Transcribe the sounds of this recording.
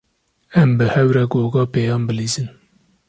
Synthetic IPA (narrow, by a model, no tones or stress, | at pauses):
ɛmbɨhɛwɾɛɡoːɡɑːpeːjɑːnbɨliːzɨn